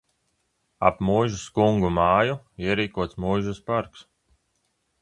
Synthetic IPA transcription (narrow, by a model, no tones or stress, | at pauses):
a̰pmujʒuskuŋɡumaːju | iɛɾiːkuɔt̪smujʒuspaɾks